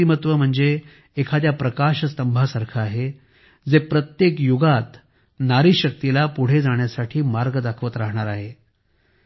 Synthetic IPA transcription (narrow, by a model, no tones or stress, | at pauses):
imət̪ʋəm̤əɳd͡zeː | kʰat̪japɾəkaɕəst̪əmbʱasaɾkʰaːɦe | d͡zepɾət̪jekjuɡat̪ | naɾiɕək̚t̪ilapuɽ̤ed͡zaɳ̃jasaʈʰiːmaɾɡəd̪akʰʋət̪ɾaɦɳ̃aɾaɦe